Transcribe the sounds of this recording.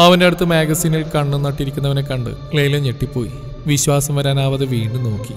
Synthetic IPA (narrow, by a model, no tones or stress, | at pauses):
ɐʋɐndeɐɽut̪ːɨmeːɡɐsiːnilkɐɳːunːɐʈːiɾikʲːunːɐʋɐne̞kɐɳɖɨ̰lejlɐɲeʈːipːo̞ːji | ʋiɕʋaːsɐmʋɐɾaːnaːʋɐðɨʋiːɳɖɨno̞ːkːi